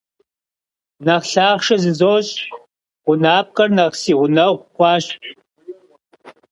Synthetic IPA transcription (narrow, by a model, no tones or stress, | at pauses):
nɐʁɬaːχʂɐzɨzoːɕʼ | ʁʷʊnaːp̚kʼɐrnɐʁsiːʁʷʊnɐʁʷqʷɑːɕ